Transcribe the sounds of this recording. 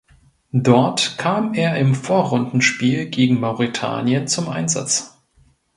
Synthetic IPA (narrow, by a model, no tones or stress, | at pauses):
dɔɐtkʰaːmeːɐɪmfoːɐʁʊndn̩ʃpiːlɡeːɡŋ̩maʊʁitʰa̰ːnjənt͡sʊmʔa̰ɪnza̰t͡s